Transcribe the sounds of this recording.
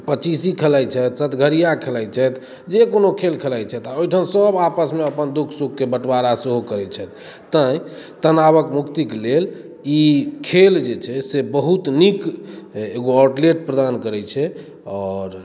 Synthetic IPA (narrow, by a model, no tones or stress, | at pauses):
pət͡ʃisikʰelajt͡ʃʰɛt̪sət̪ɡʱəɾijakʰelajt͡ʃʰɛt̪ | d͡ʒekonokʰelkʰelajt͡ʃʰɛt̪aojʈʰənsəbapəsmeəpənd̪ukʰsuk̚kːebəʈbaɾaseɦokəɾɛt͡ʃʰɛt̪ː | ə̃ĩt̪ənaβəkmukt̪iklel | ikʰeld͡ʒet͡ʃʰɛsebəɦut̪nik | eɡoɔɾʈleʈ̚pɾəd̪ankəɾɛt͡ʃʰɛ | ɔːɾ